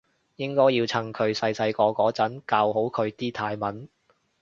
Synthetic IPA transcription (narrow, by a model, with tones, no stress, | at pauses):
jɪ˥ŋkɔː˥jiː˧wt͡sʰɐ˨˩ŋkʰɵ˨˧ɥsɐ˧jsɐ˧jkɔː˧kɔː˨˥t͡sɐ˨˥nkaː˧who˨˥wkʰɵ˨˧ɥt̪iː˥t̪ʰaː˧jmɐ˨˥n